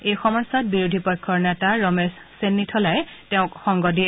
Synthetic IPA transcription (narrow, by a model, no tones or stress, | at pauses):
ejxɔmɔjsat̚biɹudʱipɔjkʰːɔɹnɛtaɹɔmesːenːitʰɔlajteʊ̃kxɔŋɡɔdiɛ